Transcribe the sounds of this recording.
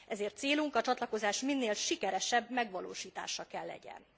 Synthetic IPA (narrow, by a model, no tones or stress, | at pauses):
ʔɛzeːrt̪seːluŋkɒt͡ʃɒt̪lɒko̞zaːʃminːeːlʃikɛɾɛʃɛbmɛɡʋɒloːʃiːt̪a̰ːʃɒkɛlːɛ̰ɟɛ̰n